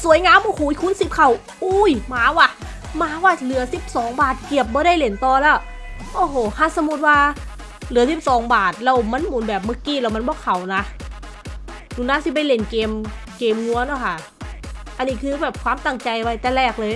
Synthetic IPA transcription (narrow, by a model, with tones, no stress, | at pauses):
su˨˦əjŋaː˧˥˨mʔo˧˩hʰuː˨˦i˦kʰu˧˥˨nsi˨˧˩p̚kʰa˨˩w | ʔuː˧˩jmaː˨˧˦waː˧˩ | maː˧˥˦waː˧˩lɯ˨˩˦ɐsi˨˩p̚sɔː˨˦ŋbaː˨˩t̪̚ki˨˩əp̚bɔː˧˦ɾa˧˩˨jle˨˦nt̪ɔː˧lɛː˧˥˩w | ʔoː˧˩ɦoː˨˩˦ha˧˥˨sa˧˦mu˧t̪̚waː˧ | lɯ˨˩˦ɐsi˨˧˩p̚sɔː˨˦ŋbaː˨˩t̪̚lɛ˧˩wma˧˥˨nmuː˩˦nbɛː˨˩p̚mɯ˧˥˩kiː˧˩˨lɛː˧˩wma˧˥nbɔː˧˥˦kʰa˨˩wna˧ | nuː˧˩naː˧˥˨si˧˦p̬a˧˩jle˨˩nkeː˧m | keː˧mŋu˧˦ɐnaː˧˩kʰa˧˩ | ʔa˧nːiː˧kʰɯː˧bɛː˨˩p̚kʰwaː˧˥mt̪a˧˩ŋt͡ɕa˧jwa˧jt̪ɛː˧˥lɛː˧˩k̚lɤː˧j